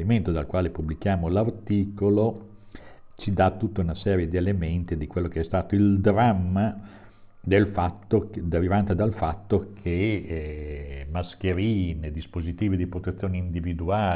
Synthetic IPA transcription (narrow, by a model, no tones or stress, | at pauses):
iment̪od̪alkwaːlepublik̟jaːmolart̪iːkolo | t͡ʃid̪at̪ut̪ːaunasɛːɾjed̪ielement̪id̪ikwelːokeɛst̪aːt̪oild̪ɾamːa | d̪elfat̪ːod̪eɾivant̪ed̪alfat̪ːokʰe | mask̟eɾiːned̪ispozit̪iːvid̪ipɾot̪et̪sːjoːneind̪ivid̪uaː